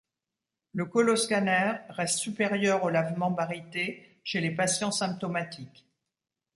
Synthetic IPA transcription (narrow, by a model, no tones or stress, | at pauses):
ləkɔlɔskanɛʁːɛst̪sypeʁjœʁolavmɑ̃baʁit̪e | ʃelepasjɑ̃sɛ̃p̚t̪ɔmat̪ʰik